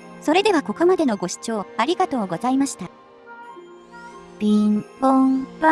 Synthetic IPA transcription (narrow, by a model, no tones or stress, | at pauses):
so̞ɾe̞d̪e̞βako̞ko̞mad̪e̞no̞ɡo̞ɕi̥t͡ɕo̞ːaɾʲiɡat̪o̞ːɡo̞zaimaɕi̥t̪a | b̥ʲĩmbõmb